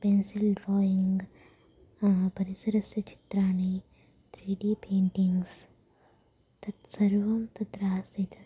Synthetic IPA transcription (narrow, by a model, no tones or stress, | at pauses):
pensɪlɖɾɔːjiŋɡ | pɐɾisɐɾɐsjɐt͡ʃʰi̥t̪ɾaːnɐj | t̪ʰɾiːɖiːpʰeːɳʈiŋɡs | t̪ɐt̪sɐɾʋɐmt̪ɐt̪ɾaːsit̪ʰ